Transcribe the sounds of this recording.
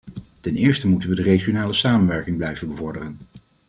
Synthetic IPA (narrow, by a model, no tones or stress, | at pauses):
tɛnɪːɹstəmutənʋədərejχionaːləsaːmənʋɛɹkɪŋblɛjvənbəvɔɹdərən